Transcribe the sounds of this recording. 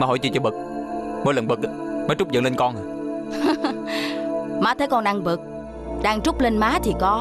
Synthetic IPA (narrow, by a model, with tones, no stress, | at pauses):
maː˨˩ɦo̰˨˧˩jt͡ɕḭ˨˩t͡ɕɔ˨˧˩ɓə˨˩k̚mo˨˦lə˨˩nɓɨ˨˩k̚a˨˦məː˨˦jt͡ɕʊ˦˥k͡p̚zə̰˧˨ŋle˧nkɔ˧n˨˩ | maː˨˦t̪ʰə˨˦jkɔ˧nɗa˧ŋvɨ˨˩k̚ | ɗaː˧ŋt͡ɕʊ˦˥k͡p̚le˧nmaː˨˦t̪ʰi˨˩kɔ˨˦